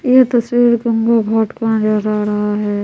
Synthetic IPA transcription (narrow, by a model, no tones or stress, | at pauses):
jet̪ɐswiːɾɡə̃ŋɡobʱɔːʈkãd͡ʒaɾaɾɐɦaɦɛː